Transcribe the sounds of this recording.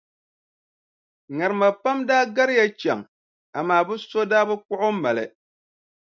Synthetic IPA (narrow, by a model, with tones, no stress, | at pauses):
ŋa˨ɾɨ˨ma˨pa˦mdaː˦ɡa˦ɾɪ˦ja˦t͡ʃa˨ŋ | a˨maː˨bɨ˦so˦daː˦bɨ˦k͡pʊ˦ʔʊ˦ma˨lɨ̰˨